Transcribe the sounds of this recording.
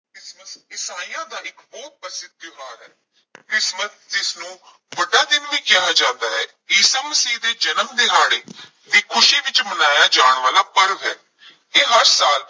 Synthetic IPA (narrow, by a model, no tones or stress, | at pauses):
kɪsməsɪsaːijãːd̪aːɪkbɔːt̪̚pəsɪd̪̚ːɪɦaːɾɦɛː | kɾɪsmət̪ | d͡ʒ̪ɪsnũː | ʋəɖaːd̪ɪnʋiːkɪaːd͡ʒãːnd̪aːɦɛ̰ː | ɪːsaːməsiːd̪eːd͡ʒənəmd̪eːɦaːɽeː | d̪iːkʰʊʃiːʋɪt͡ʃmənaːjaːd͡ʒaːɳ̃ʋaːlaːpəɾʋɦɛː | eːɦəɾsaːl